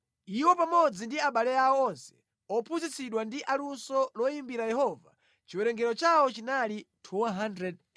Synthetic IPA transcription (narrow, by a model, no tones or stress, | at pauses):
iwɔpamɔd͡zindiaɓalɛaɔɔnsɛ̥ | ɔpʰunzit͡siɗwandiʔalunsɔlɔjimbiɾajɛɦɔva̰ | t͡ʃiwɛɾɛŋɡɛɾɔt͡ʃawɔt͡ʃinalitʰuɦandɾɛd̚